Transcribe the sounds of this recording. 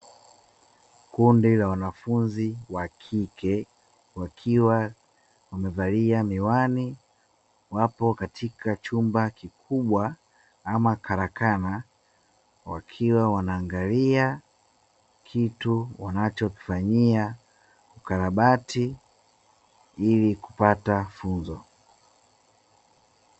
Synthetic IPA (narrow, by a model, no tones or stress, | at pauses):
kundilawanafunziwakʰikɛ | wakʰiwa | wamɛvaliamiwani | wapɔkatʰikat͡ʃumbakikuɓwa | amakʰaɾakana | wa̰kʰiwawanaːŋɡalia | kʰituwanat͡ʃɔki̥faɲia | ukaɾaɓati | iliku̥patafunzɔ